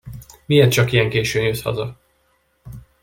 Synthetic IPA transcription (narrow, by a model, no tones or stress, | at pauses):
mieːrt̪̚t͡ʃɒkijɛŋkeːʃøːnjøshɒ̰zɒ